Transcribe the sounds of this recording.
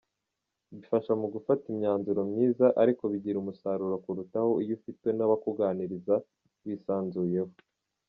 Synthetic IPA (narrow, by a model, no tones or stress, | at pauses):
βifaʃamuɡufatimɲaːnzuɾo̞mɲiːzaʔaɾiko̞βiɟiɾumusaɾuɾokuɾutaho̞ijufitwe̞naβakuɡaniɾiza | βisaːnzuje̞ho